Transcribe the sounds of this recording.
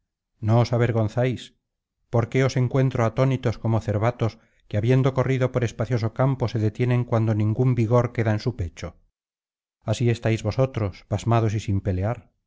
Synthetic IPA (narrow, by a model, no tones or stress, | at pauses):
noːsaβ̞e̞ɾɣ̞o̞nθajs | po̞ɾke̞o̞se̞ŋkwe̞nt̪ɾoat̪o̞nit̪o̞sko̞moθe̞ɾβat̪o̞s | keaβjend̪o̞ko̞riðo̞poɾe̞spaθjo̞sokampo̞se̞ðet̪je̞nẽ̞ŋkwand̪onĩŋɡumbiɣo̞ɾke̞ðaensupe̞t͡ʃo | asie̞st̪ajzβo̞so̞t̪ɾo̞spazmað̞osisimpe̞leaɾ